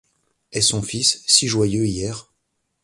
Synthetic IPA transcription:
ɛsɔ̃fisːiʒwajøijɛːʁ

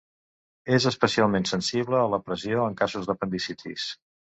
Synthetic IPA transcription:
ezəspəsialˠmensənsiβləːləpɾəzioəŋkazuzðəpənd̪isit̪ʰḭs

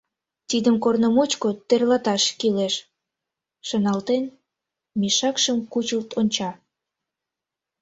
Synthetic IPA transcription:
t̪id̪əmkornəmut͡ɕkot̪erlɑt̪ɑʃkileʃ | ʃənɑlt̪en | miʃɑkʃəmkut͡ɕəlt̪onʲt͡ɕɑ

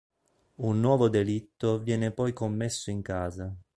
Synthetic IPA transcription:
unːwɔːvod̪elit̪ːovjɛːnepɔjkomːesːoiŋkaːza

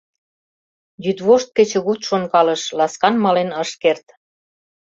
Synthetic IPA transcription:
jyd̪βoʃt̪̚kĕt͡ɕə̆ɣut̪ʃonkɑlə̆ʃlɑskɑnmɑlenɤʃkert̪

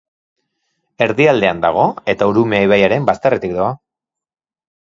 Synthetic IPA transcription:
e̞ɾðiald̪e̞and̪aɣ̞o̞e̞t̪auɾumeiβajaɾe̞mbast̪aret̪ikd̪oa

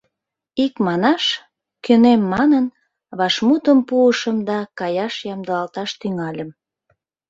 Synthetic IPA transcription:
ikmɑnɑʃ | kønemːɑnən | βɑʃmut̪əmpuəʃəmd̪ɑkɑjɑʃjɑmd̪əlɑlt̪ɑʃt̪yŋɑlʲəm

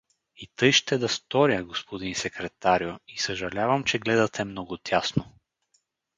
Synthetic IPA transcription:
it̪ɤjʃt̪ɛd̪ɐst̪ɔɾjəɡospod̪insɛkɾɛt̪aɾjoisɐʒɐlʲavɐmt͡ʃɛɡlɛd̪ɐt̪ɛmnɔɡʊt̪ʰʲjasno

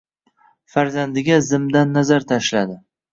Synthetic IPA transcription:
faɾzand̪ɪɡʲazɪmd̪anːazaɾt̪ʰaʃlad̪ɪ

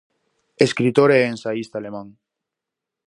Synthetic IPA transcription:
eskɾit̪oɾeːnsaist̪alemãŋ

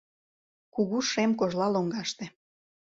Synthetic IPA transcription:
kuɣuʃemkoʒlɑloŋɡɑʃt̪ĕ

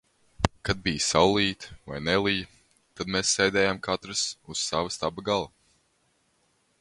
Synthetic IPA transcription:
kad̪̚bijsawlˠiːt̪va̰jnɛlˠij | t̪ad̪meːsːɛjd̪ɛːjamkʰat̪ɾɨsuz̥savɐst̪abɐɡalˠa

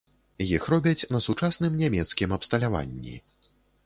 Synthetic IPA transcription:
jixɾɔbʲɐt͡sʲnɐsut͡ʂasnɨmnʲamʲɛt̪skʲimɐpst̪ɐlʲava̰nʲːḭ

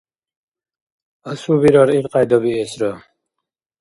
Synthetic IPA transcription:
əsubiɾɔɾiɾqʼajd̪ɔbiːsɾɔ

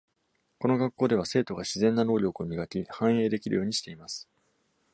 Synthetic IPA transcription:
ko̞no̞ɡakːo̞ːd̪e̞β̞ase̞ːt̪o̞ɡaɕizẽ̞nːano̞ːɾʲo̞kɯ̟omʲiɡakʲihãɰ̃e̞ːd̪e̞kʲiɾɯ̟jo̞ːɲ̟iɕi̥t̪e̞imasɨ̥

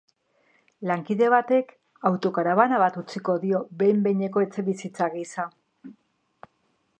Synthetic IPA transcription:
laŋkiðe̞β̞at̪e̞k | awt̪o̞kaɾaβanaβat̪ut͡siko̞ðio̞be̞jmbe̞ɲe̞ko̞e̞t͡se̞βisit͡saɣisa

